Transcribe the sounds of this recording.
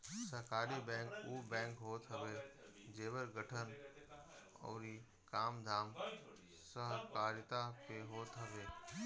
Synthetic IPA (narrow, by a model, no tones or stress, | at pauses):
səɦkaːɾibɛ̃ːŋkuːbɛ̃ːŋkɦoːt̪ʰɐʋeː | d͡ʒeːʋəɾɡʱəʈʰən | ɔ̰ːɾi | kaːmd̪ʱaːm | səɦkaːɾt̪apeɦoːt̪ʰɐʋeː